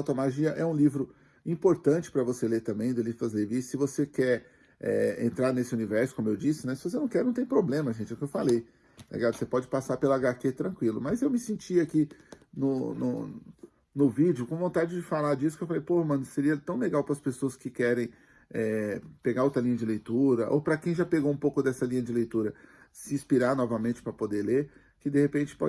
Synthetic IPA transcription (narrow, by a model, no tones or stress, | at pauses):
awt̪ɐmaʒiɐʔɛũlivɾʊ | ĩpoɾt̪ɐ̃nt͡ʃɪ̥pɾɐvoseleɾt̪ɐ̃mbẽj̃d̪elifɐzlevisɪvosekɛɾ | ɛ̰ḛ̃nt̪ɾaɾnesɪunivɛɾsʊ̥kõmʊewd͡ʒisɪnɛ̃sɪvosenɐ̃w̃kɛɾnɐ̃w̃t̪ẽj̃pɾoblẽmɐʒẽnt͡ʃɪʊkɪewfalej̪ | lḭɡad̪ʊsepɔd͡ʒɪpasaɾpelaɡaket̪ɾɐ̃kwilʊ̰mɐzewmɪsĩt͡ʃiakinʊnʊ̰ | nʊvid͡ʒɪʊkõvõnt̪ad͡ʒɪd͡ʒɪfalaɾd͡ʒisʊkewfalejpohɐmɐ̃nʊseɾiɐt̪ɐ̃w̃leɡawpɾɐspesoɐskɪkɛɾẽj̃ | ɛpeɡaɾot̪ɾɐlĩɲɐd͡ʒɪlejt̪uɾɐʔo̰pɾɐkẽj̃ʒapeɡoũpowkʊd̪ɛsɐlĩɲɐd͡ʒɪlejt̪uɾɐ | sɪĩspiɾaɾnɔvɐmẽnt͡ʃɪ̥pɾɐpod̪eleɾ | kɪd̪ehepẽt͡ʃɪ̥pɔ̰